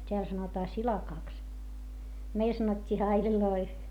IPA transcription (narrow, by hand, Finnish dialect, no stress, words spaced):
tʲeæl sɑnotɑː silɑkɑˑks meil sɑnotʲːiː hɑilʲiloi